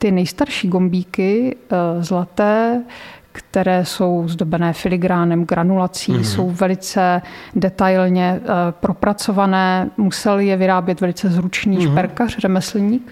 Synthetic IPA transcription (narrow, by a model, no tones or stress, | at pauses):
t̪ɪnɛjst̪aɾʃiːɡo̞mbiːkɪ | zlat̪ɛː | kt̪ɛɾɛːso̞wzdo̞bɛnɛːfɪlɪɡɾaːnɛmɡɾanulat͡siːso̞wvɛlɪt͡sɛdɛt̪ajlɲɛpɾo̞pɾat͡sovanɛːmusɛlɪjɛvɪɾaːbjɛt̪vɛlɪt͡sɛzɾut͡ʃniːʃpɛɾkarrɛmɛsl̩ɲiːk